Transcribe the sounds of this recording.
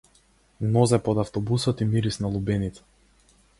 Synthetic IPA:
nɔzɛpɔd̪aft̪ɔbusɔt̪imiɾisnalˠubɛnit̪sḁ

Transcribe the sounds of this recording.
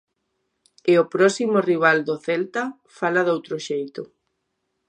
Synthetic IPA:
ɪopɾɔsimoriβ̞ald̪oθɛlt̪a | falaðowt̪ɾʊʃejt̪ʊ

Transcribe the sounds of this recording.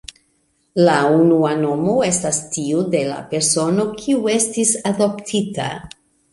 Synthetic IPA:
launuano̞mo̞e̞stastiude̞la̰pe̞ɾso̞no̞kʰiue̞stisado̞ptʰita̰

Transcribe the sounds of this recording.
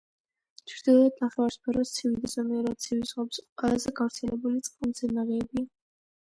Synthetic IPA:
t͡ʃʰɾd̪̥ilˠɔad̪̚naχɛwaɾspʰɛɾɔst̪sʰivid̪ɛzɔmɛɛɾad̪sʰivizʁɔpsqʼwɛlˠazɛɡavɾt̪sʰɛlɛbulit̪sʼqʼamzɛnaʁɛːbia

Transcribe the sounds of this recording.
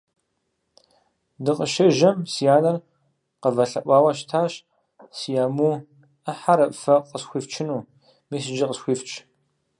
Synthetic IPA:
dɨqəʃɐʒɐmsijaːnɐr | qəvɐɬɐ̰ʔʷɑːwɐɕtʰaːɕ | sijaːmuː | ɐħaɾɐpʼfɐqəsxʷiːft͡ʃʰɪnuː | miːs̬ɨd͡ʒɐqəsxʷiːft͡ʃʼ

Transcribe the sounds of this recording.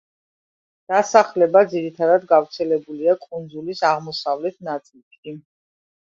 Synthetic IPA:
d̪̥asaχlɛbad̪ziɾit̪ʰad̪ad̪ɡavɾt̪sʰɛlɛbuliakʼund̪zulisaʁmɔsavlɛt̪ʰnat̪sʼilˠkʼi

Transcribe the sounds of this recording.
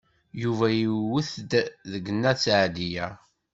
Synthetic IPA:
juvæjiwəθd̪ðəɡənːæt͡sːʕd̪ijæ

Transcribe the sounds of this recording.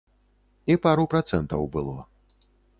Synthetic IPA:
ipaɾupɾat̪sɛnt̪ɐ̰wbɨlˠɔ̰

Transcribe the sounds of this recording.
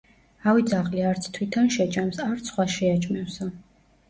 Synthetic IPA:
awid̪zaʁliaɾt̪sʰt̪ʰwit̪ʰanʃɛt͡ʃʼamsaɾt̪sʰχwaʃɛat͡ʃʰʼmɛwsa

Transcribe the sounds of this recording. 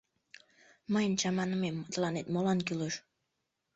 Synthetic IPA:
məjənt͡ɕɑmɑnəmemːət̪lɑnet̪molɑnkyleʃ

